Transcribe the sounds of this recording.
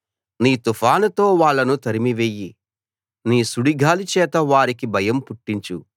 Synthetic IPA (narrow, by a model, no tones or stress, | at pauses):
niːt̪ufʰaːnɐt̪o̞ːʋaːɭːɐnut̪ɐɾimiʋeːji | niːsuɽiɡʱaːlit͡ʃɛːt̪ɐʋaːɾikibʱɐjɐmpuʈːiɲt͡ʃu